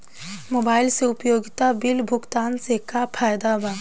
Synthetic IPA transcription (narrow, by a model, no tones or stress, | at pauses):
moːbaːɪlseʊpjoːɡɪt̪abɪlbʱʊkt̪aːnsekapʰaːjd̪abɐ̃n